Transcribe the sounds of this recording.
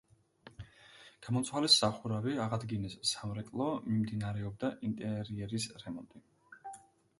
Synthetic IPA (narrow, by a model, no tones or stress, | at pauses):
ɡ̥amɔnt̪sʰwalisaχuɾaviaʁad̪ɡinissamɾɛkʼlˠɔmimd̪inaɾɛɔb̚d̪aʔint̪ʼɛɾiɛɾisɾɛmɔnt̪ʼi